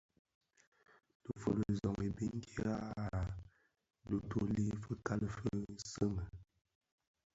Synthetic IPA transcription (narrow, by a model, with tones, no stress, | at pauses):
d̥ə˨fə˨ɾə˨zɔ˨ŋe˨bi˦ŋ˦ke˦ɾa˦˨ | du˨tʰo˦li˦fə˦ka˦lə˨fə˦sə˦ŋə˨